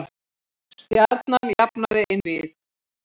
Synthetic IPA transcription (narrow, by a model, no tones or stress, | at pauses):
st̪jaɾt̪̚nanjapnaðɪʔɪnvɪð